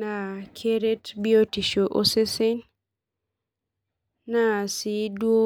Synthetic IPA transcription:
na˨kʰe˦ɾe˦tbi˦o˦ti˨ʃo˨ʔo˦se˦se˦n | na˨si˦dwo˦

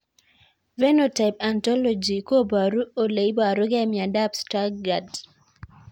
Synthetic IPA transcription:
vɛ˦no˨ta˨ɪp̚a˨ntɔ˦lɔ˨d͡ʒi˨ko˦ba˨ɾu˦o˨le˨i˦ba˨ɾo˦ɡɛ˦mja˨da˦psta˦ɡɡa˨d

